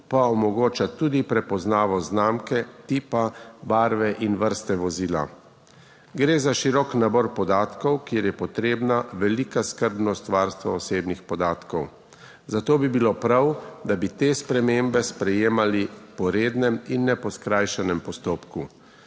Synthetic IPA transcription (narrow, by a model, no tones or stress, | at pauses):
paɔmɔɡoːt͡ʃat̪uːd̪ipɾɛpɔznaːʋɔznaːmkɛt̪iːpabaːɾʋɛʔinʋəɾst̪ɛʋɔziːla̰ | ɡɾeːzaʃiɾɔːknabɔɾpɔd̪aːt̪kɔwkjeɾjɛpɔt̪ɾeːbnaʋɛliːkaskəɾbnɔst̪ʋaːɾst̪ʋa̰ɔseːbnixpɔd̪aːt̪kɔw | zat̪oːbibilopɾawd̪abit̪espɾɛmembɛspɾɛjeːmalipɔɾeːd̪nɛminːɛpɔskɾajʃɛnɛmpɔst̪oːpku